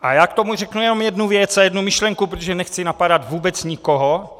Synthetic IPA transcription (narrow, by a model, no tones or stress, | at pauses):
ʔa̰jaːkt̪o̞mur̝ɛknujɛno̞mjɛdnuvjɛt͡sajɛdnumɪʃlɛŋkupɾot̪oʒɛnɛxt͡sɪnapadat̪vuːbɛt͡sɲɪkoɦo